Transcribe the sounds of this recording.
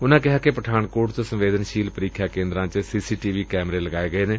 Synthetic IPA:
ʊnãːkɪɦaːkepəʈʰaːnkoːʈt̪õːsə̃mʋeːd̪ənʃiːlpəɾiːkʰːjaːkẽːnd̪ɾãːt͡ʃsiːsiːʈiːʋiːkɛːmɾeːləɡaːeːɡəeːneː

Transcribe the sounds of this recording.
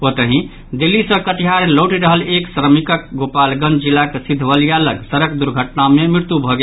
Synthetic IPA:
ot̪əɦĩ | d̪ilːisə̃kəʈiɦaɾlowʈiɾəɦəleksɾəmikək̚ɡopalɡənd͡ʒilːakesid̪ʱːʋəlijaləɡsəɾəkd̪uɾɡʱəʈnamemɾiɾt̪jubʱɔɡe

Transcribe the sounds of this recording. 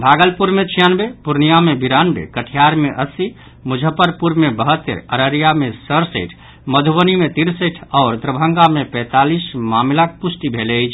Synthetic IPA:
bʱaɡəlpuɾmet͡ʃʰijanbepuɾnijamebiɾanbḛkəʈʰijaɾmeʔəsi | mud͡ʒʱəpəɾpuɾmebəɦət̪ːə̰ɾəɾəɾijamesəɾsəɪʈʰ | məd̪ʱuʋənimet̪iɾsəʈʰɔːɾd̪ɾəbʱəŋɡamepɛ̃t̪alismamlak̚pusʈibʱelət͡ʃʰ

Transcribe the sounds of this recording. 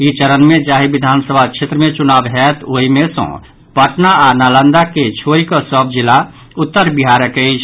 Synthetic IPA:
it͡ʃəɾənmed͡ʒaɦibid̪ʱansəbʱat͡ʃʰet̪ɾəmet͡ʃunabɦɛt̪oɦimesə̰̃ | pəʈnaanalənd̪aket͡ʃʰoɾikəsəb̚d͡ʒilːa | ut̪ːəɾbiɦaɾəkɛɪt͡ʃʰ

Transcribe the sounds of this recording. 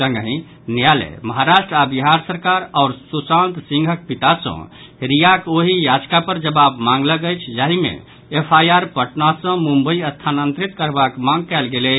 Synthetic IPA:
sə̃ŋɡɦĩ | njalḛməɦaɾaʃʈɾabiɦaɾsəɾkaɾaːɾsusãnt̪sĩŋɡʱək̚pit̪asə̰̃ | ɾijakoɦijad͡ʒkapəɾd͡ʒəbabmãŋɡləɡəjt͡ʃʰd͡ʒaɦimḛː | pʰajaɾpəʈnasə̃mũmbəiəst̪ʰanənt̪ɾit̪kəɾbakmãŋɡkaɪlɡelɛ

